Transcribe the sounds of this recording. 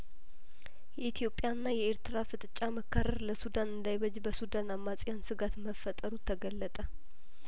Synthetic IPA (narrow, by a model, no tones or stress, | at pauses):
jɛit̪ʰjo̞pʼjaɨnːajɛeɾt̪ɨɾafɨt̪ʼt͡ʃʼaməkʰːarəɾləsud̪anɨnd̪ajβəd͡ʒbəsud̪anamːat͡sʼɪjansɨɡat̪məfət̪ʼəɾut̪ʰːəɡəlːət̪ʼə